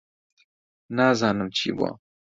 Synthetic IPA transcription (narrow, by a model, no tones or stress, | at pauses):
nazaːnəmt͡ɕḭba̰ː